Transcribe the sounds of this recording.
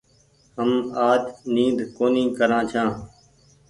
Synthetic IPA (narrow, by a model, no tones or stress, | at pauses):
həmaːd͡ʒniːd̪ʱkoːnĩːkəɾãːt͡ʃʰãː